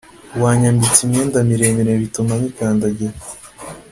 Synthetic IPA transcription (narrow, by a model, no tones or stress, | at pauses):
waːɲambit͡simɲe̞ːndamiɾeːmeɾeβitumamikandaɟe